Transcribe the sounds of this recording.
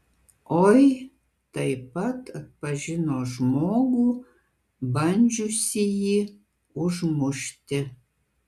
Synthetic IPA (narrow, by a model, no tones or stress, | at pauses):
oj | t̪ajpat̪ʰət̪̚paʒinoʒmoɡu | banʲd͡ʒusiji | uʒmuʃt̪ʲĕ